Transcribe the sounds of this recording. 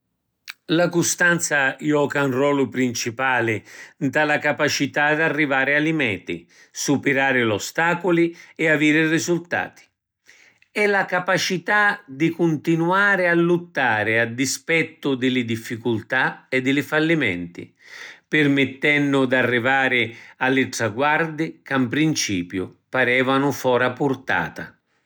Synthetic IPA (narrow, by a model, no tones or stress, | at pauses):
lakʊst̪ant̪sajɔːkaunrɔːlʊpɾint͡ʃipaːlɪnt̪alakapat͡ʃit̪ad̪arːivaːɾɪalimɛ̰ːt̪ḭ | supɛɾaːɾɪlɔst̪aːkʊliɛaviːɾɪrizult̪a̰ːt̪i̥ | ɛlakapat͡ʃit̪ad̪ikʊnt̪inuaːɾɪalːut̪ːaːɾɪad̪ispɛt̪ːʊd̪ɪlɪd̪ifːikult̪aɛd̪ːɪlɪfalːimɛ̰nt̪ḭ | pɪrmɪt̪ːɛnːʊd̪arːivaːɾɪalːɪʈɾaɡward̪ɪkampɾint͡ʃiːpjʊpaɾɛːvanʊfɔːɾapʊrt̪a̰ːt̪a̰